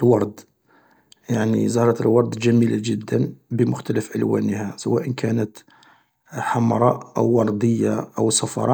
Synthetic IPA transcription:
lwɑɾˤd̪ | jaʕnizɑɾˤɑt̪əlwɑɾˤd̪ˤʒæmilaʒəd̪ːənbəmʊxt̪æləfʕəlwæ̰nəhasəwæʔənkʰænət̪ | ħamɾˤɑ̰ʔʔə̰wːɑɾˤd̪əjːaʔəwsˤɑfɑ̰ɾˤɑ

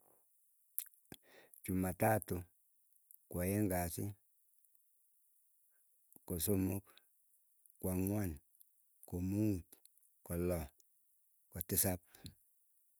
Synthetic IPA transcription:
t͡ʃumatatu | kwajeŋɡasi | kosomok | kwaŋwan | komut | kɔlɔ | kɔtisap̚

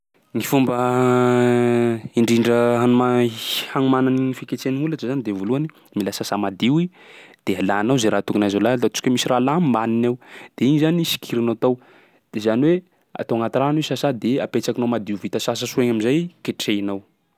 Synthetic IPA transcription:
ŋifumbə | iɳɖ͡ʐiɳɖ͡ʐəɦanumahaŋumananiŋifiket͡seniulaʈ͡ʂəzanid̪evoluani | milasasamad̪iwi | d̪̥ealanawzaɾat̪ukunajzalalat͡ʃu̥kʲəmisiralamaninawd̪̥eiɲizanisi̥kʰiɾinat̪aw | d̪̥ezaniwe | a̰t̪awaŋat̪iranwesasad̪eapet͡sakinawmad̪iuvit̪əsasasueɲamizajkeʈ͡ʂeinaw

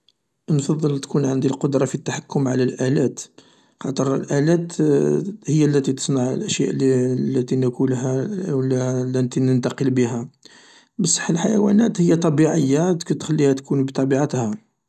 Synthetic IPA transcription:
nfɑðˤːəlt̪kunʕənd̪ilqod̪ɾˤɑfit̪ːaħakːʊmʕlælʔælæt̪ | xɑt̪ˤəɾəlʔælæt̪ | həjːælːæt̪it̪ə̥sˤnaʕə̰lʔəʃjæʔlːæt̪inəkulɦællːænt̪inənt̪ɑqəlbəɦæ | bəsˤːə̥ħːəlħajwæ̰næt̪həjːat̪ˤɑbiʕəjːat̪t̪xælːihæt̪kunbt̪ˤɑbiʕat̪hæ

